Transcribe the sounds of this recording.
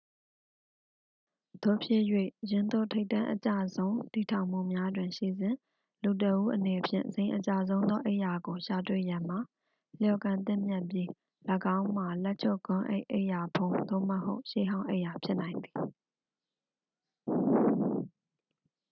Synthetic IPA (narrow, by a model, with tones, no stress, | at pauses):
d̪̥o˦˨pʰjɪ̰˦˨jwḛ˦˨jɪ̃˨nd̪o̰˦˨tʰe˦ɪtːã˦ʔət͡ɕä̰˦˨zõ˦ʊ̃ti˨tʰã˨ʊ̃m̥ṵ˦˨mja˦dwɪ̃˨ʃḭ˦˨zɪ̃˨ | lu˨t̬əʔu˦ʔəne˨pʰjɪ̰̃˦˨zẽ˨ɪ̃ʔət͡ɕa˦˨zõ˦ʊ̃nd̪ðɔ˦ʔe˦ʔja˨ɡo˨ʃa˨twḛ˦˨jã˨m̥a˨ | ljɔ˨kã˨nt̪̬ɪ̰̃˦˨mjɛ˦ʔpji˦ | lə˨ɡã˦ʊ̃m̥a˨lɛ˦ʔt͡ɕʰo˦˨kʊ̃˦ʔḛ˦ɪʔḛ˦ɪʔja˨pʰõ˨ʊ̃d̪o̰˦˨məɦo˦ʊʔʃḛ˦˨ɦã˦ʊ̃ʔḛ˦ɪʔja˨pʰjɪ˦ʔnã˨ɪ̃nd̪i˨